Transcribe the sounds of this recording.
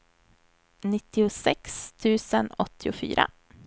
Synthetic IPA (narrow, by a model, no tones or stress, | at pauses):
nɪt̪ːɪʊsɛkst̪ʰʉ̟ːsənɔt̪ʰːɪʊfy̰ːɾʔa̰